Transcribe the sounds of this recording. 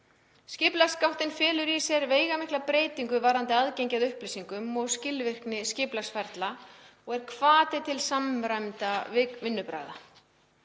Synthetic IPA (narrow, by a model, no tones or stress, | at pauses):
scɪplaskawht̪ɪnfɛːlʏɾisɛɾveːjɣamɪhklapɾeːjt̪iŋkʏvaɾant̪ɪaðcejɲcaðʏhplijsiŋkʏmɔɣscɪlvɪr̥knɪscɪplasfɛɾt̪la | ɔɣɛɾ̥kʰvaːt̪ɪt̪ʰɪlsamɾajmt̪avɪvɪnːʏpɾa̰jða